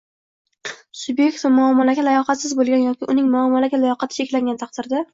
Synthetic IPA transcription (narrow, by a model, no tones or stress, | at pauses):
sʊbje̞k̚ʲt̪vamʊamːɒlaɡʲalajɒqʰɑt̪sɪzbolˠɡʲanjɒkʲɪʔʊnɪŋmʊamːɒlaɡʲalajɒqʰɑt̪ʰɪ̥t͡ʃʰe̞kʲlaŋɡʲant̪ʰɑq̚d̪̥ɪɾd̪a